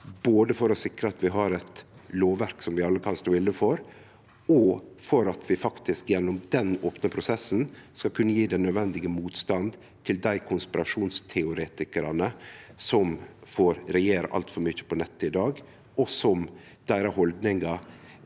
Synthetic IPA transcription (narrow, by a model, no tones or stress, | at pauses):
boːd̪əfɔɾɔsɪkɾəɑt̪ʋɪɦɑɾɛt̪loːʋæɾksɔmʋɪɑlːəkʰɑnst̪oːɪlːəfɔɾ | ɔfɔɾɑt̪ʰʋɪfɑkt̪ɪskjɛnːʊmd̪ɛnoːpnəpʰɾʊsɛsːnskɑlkʰʉnːəjiːd̪ɛnœd̪ʋɛnd̪ɪɡəmuːt̪st̪ɑnd̪ | t̪ʰɪld̪æɪkʰʊnspɪɾɑʂuːnst̪ʰɛʊɾeːt̪ɪkəɾɑnəsɔmfoːɾɾɛjeːɾə̰ʔɑ̰lt̪fɔɾmʏçːə̥pʰɔnɛt̪ːəɪd̪ɑːɡ | ɔsɔm | d̪̥æɪɾɑhɔld̪nɪŋɑ